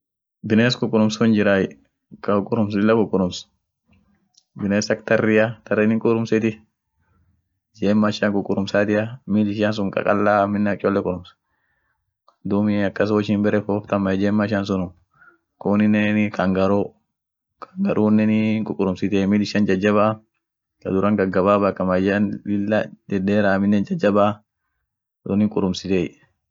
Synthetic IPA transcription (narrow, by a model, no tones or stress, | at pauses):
bɪneːs̬kʼʊkʼːʊɾʊmsʊnd͡ʒɪɾaj | kɐʊkʼːʊɾʊms̬ɪlːɐkʼʊkʼːʊɾʊms | bɪneːsɐk̚t̪ɐrːɪjɐt̪ɐɾːɪnɪŋkʼʊɾʊmsɪt̪ɪ | d͡ʒeːmːaɪʃaŋkʼʊkʼʊɾʊmsaːt̪ɪɐmiːd̪ɪʃans̬ʊŋkʼɐ̰kʼɐ̰lːaːmɪnːɐkʼːɔlːɛkʼʊɾʊms | d̪umɪɐkːɐs̬ɔʃɪmbɛɾɛfoːft̪ɐmːɐɛd͡ʒeːmːaɪʃans̬ʊnʊ | koːnɪnːɛnkɐŋɡɐɾo | kʰɐ̥ŋɡɐɾʔuːnːɛnɪŋkʼʊkʼʊɾʊmsɪt̪eːmiːd̪ɪʃːɐnd͡ʒɐd͡ʒːɐβaː | kɐd̪ʊɾɐŋɡɐɡːɐbaːbakːɐmɐd͡ʒɐnɪlːɐdɛd̪eːɾaːmɪnːɛnd͡ʒɐd͡ʒːɐbaː | dɔnɪŋkʼʊɾʊmsɪt̪eːj